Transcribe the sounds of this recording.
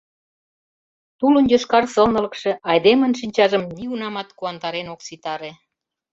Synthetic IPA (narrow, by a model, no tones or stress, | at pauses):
t̪ulə̆njoʃkɑrsɤ̆lnɤ̆lə̆kʃĕɑjd̪emə̆nʃinʲt͡ɕɑʒə̆mniunɑmɑt̪kuɑnt̪ɑɾenoksit̪ɑɾe